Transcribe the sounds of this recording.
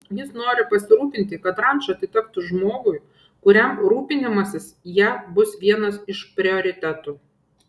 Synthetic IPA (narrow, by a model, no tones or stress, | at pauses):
jɪsnoːɾʲɪpɐsʲɪɾuːpʲɪnʲt̪ʲɪkɐt̪ɾɐnʲt͡ʃɐɐt̪ʲɪt̪ʲɛk̚t̪ʊʒmoːɡʊɪ | kʊɾʲɛmɾuːpʲɪnʲɪmɐsʲɪsjæːbʊsʋʲiɛnɐsɪʃpʲɾʲɪɔɾʲɪt̪ʲɛt̪u